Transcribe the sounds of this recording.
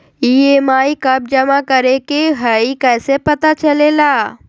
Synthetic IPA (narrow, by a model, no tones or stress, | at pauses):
ieːmaːikɐb̚d͡ʒɐmakɐɾekeɦəikɛːsepɐt̪at͡ʃɐlelaː